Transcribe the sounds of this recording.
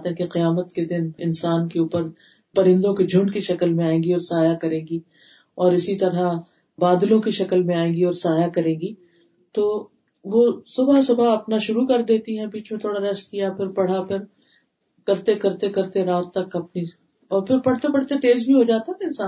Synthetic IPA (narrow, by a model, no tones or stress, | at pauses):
t̪ɦɛ̃keqijaːmət̪ked̪ɪnɪ̰nsaːnkeuːpəɾ | pɐɾɪ̃nd̪õkid͡ʒʱʊ̃ɳɖkiʃɐkəlmẽaːẽːɡiɔːɾsaːjakɐɾẽːŋɡi | ɔːɾɪsit̪ɐɾa | baːd̪lõkiʃɐkəlmẽaːẽːɡiɔːɾsaːjakɐɾẽːɡiː | t̪oː | ʋosʊbʱasʊbʱaɐpnaʃʊɾukɐɾd̪eːt̪iɦɛ̃biːt͡ʃmẽt̪ʰoːɽaɾɛskijapʰɪɾpɐɽ̤apʰɪɾ | kɐɾt̪ekɐɾt̪ekɐɾt̪eɾaːt̪ːɐkɐpni | ɔːɾpʰɪɾpɐɽ̤t̪epɐɽ̤t̪et̪eːzbʱiɦod͡ʒaːt̪aɦɛɪnsaːn